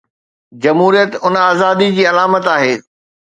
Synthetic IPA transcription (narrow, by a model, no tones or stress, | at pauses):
d͡ʑɐmɦuːɾijət̪ʊnaːzaːd̪id͡ʑiːɐlaːmət̪aːɦeː